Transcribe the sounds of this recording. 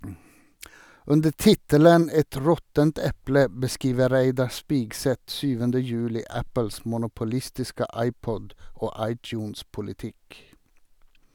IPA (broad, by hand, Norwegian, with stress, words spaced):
ˈʉndə ˈtɪtələn ˈɛt ˈɹɔtənt ˈɛplə bəˈskiːʋə ˈɾæɪdɑ ˈspɪɡsɛt ˈsyːʋəndə ˈjʉːlɪ ˈæpəls mʊnʊpʊˈlɪstɪskə ˈʔɑɪˌpɔd ˈoː ˈʔɑɪˌtjʉːnspʊlɪˌtɪk